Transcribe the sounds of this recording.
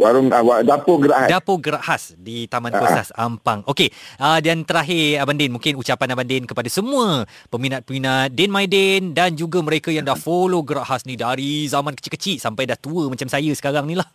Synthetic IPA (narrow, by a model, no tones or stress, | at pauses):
baɾʊŋabadapoɡəɾaʔhadapoɡəɾaʔhasdit̪amãnkosa̰sa̰mpaŋʔokeədant̪əɾaɦɪabandɛnmũŋkɪnut͡ʃapanabandɛnkəpadasəmũə | pəminat̪̚pəminat̪̚dɛnmajdɛndand͡ʒuɡaməɾekajaŋdahfoloɡəɾaʔhasnidaɾizamãnkə̥t͡ʃikət͡ʃiʔ̪sampajdaht̪uəmat͡ʃamsajəsə̥kaɾaŋnĩlah